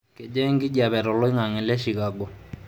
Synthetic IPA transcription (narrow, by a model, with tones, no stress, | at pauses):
ke˨d͡ʒɛ˦ŋɡɪ˦d͡ʒa˨bɛ˨ɾɔ˨lɔ˦ɪ˦ŋa˨ŋɪ˨lɛ˦ʃi˨ka˨ɡɔ˨